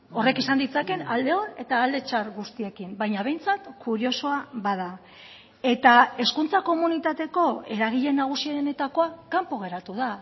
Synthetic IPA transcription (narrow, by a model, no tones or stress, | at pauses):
o̞re̞kisand̪it͡sake̞nald̪e̞o̞ne̞t̪aːld̪e̞t͡ʃaɾɣust̪ie̞kimbajɲaβ̞e̞jnt͡sat̪kuɾio̞so̞aβað̞a | e̞t̪ae̞skunt͡sako̞munit̪at̪e̞ko̞e̞ɾaɣ̞iʎe̞naɣ̞usieɾene̞t̪ako̞akampo̞ɣ̞e̞ɾat̪uð̞a